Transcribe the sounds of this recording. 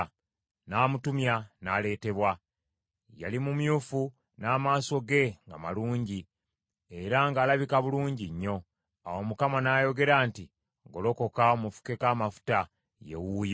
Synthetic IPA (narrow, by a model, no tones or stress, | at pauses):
naːmutumjanale̞ːte̞βwa | ja̰limumjuːfu | naːmaːso̞ɡe̞ŋɡamaluːɲɟi | e̞ɾaŋɡaːlaβikaβuluːɲɟiɲːo̞ | awomukamanaːjo̞ɡe̞ɾaːnti | ɡo̞lo̞ko̞kaomufu̥ke̞kaːmafu̥ta | jḛwuj